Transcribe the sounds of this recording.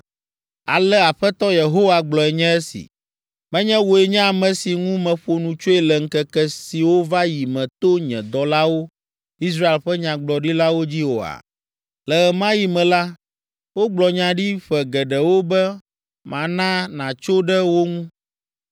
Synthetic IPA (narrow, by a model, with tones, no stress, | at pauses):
a̰˨lɛ˦a˨ɸɛ˦t̪ɔ˦je˨ɦo˦wa˨ɡ͡blɔ˨ɛ˨ɲɛ̃˦ɛ˦sḭ˨ | mɛ̃˦ɲɛ̃˦wo˨ɛ˨ɲɛ̃˦a˨mɛ̃˨si˨ŋũ˦mɛ̃˨ɸo˨nũ˨t͡ʃo˦ɛ˨lɛ˨ŋ̩˦kɛ˨kɛ˨si˨wo˦va˦ji˨mɛ̃˨t̪o˦ɲɛ̰̃˨d̪ɔ˨la˦wo˦ | i˦s̬ɾa˦e˨lɸɛ˦ɲã˨ɡ͡blɔ˨ɖi˦la˦wo˦d͡ʑi˦wo̰˨a̰˨ | lɛ˨ɣɛ˨mã˦ji˨mɛ̃˨la˦ | wo˦ɡ͡blɔ˨ɲã˨ɖi˦ɸɛ˨ɡɛ˨ɖɛ˨wo˦bɛ˦ | mã˨nã˦nã˨t͡ʃo˦ɖɛ˦wo˦ŋũ˦